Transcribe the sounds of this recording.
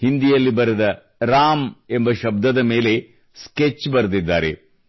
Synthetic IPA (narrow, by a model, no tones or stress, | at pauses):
hind̪ijɐlːibɐɾed̪ɐ | ɾaːme̞mbɐʃɐb̚d̪ɐd̪ɐme̞ːle̞ | sket͡ʃːbɐɾd̪id̪ːaːɾe̞̰